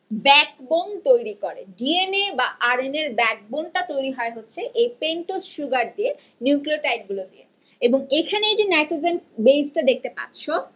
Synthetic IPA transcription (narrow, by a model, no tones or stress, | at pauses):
bɛkbont̪ojɾikoɾḛɖienebaʔaɾeneɾbɛk̚bonʈat̪ojɾiɦɔeɦotːɕʰeʔejpeɳʈosʃuɡaɾd̪ie | niuklioʈajʈ̚ɡulod̪ije | eboŋekʰaneejd͡ʑenajʈozenbejsʈad̪ek̚t̪epa̰ɾːɕʰo